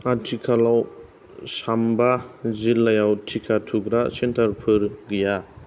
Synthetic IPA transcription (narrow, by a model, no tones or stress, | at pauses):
atʰikʰalaw | sambazilːajawtʰikʰatʰuɡɾasentʰaɾpʰɯɾɡija